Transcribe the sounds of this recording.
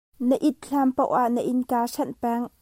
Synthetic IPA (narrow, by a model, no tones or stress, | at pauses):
nəʔit̪̚ɬampowʔaʔnəʔinkaːʂɛnpɛŋ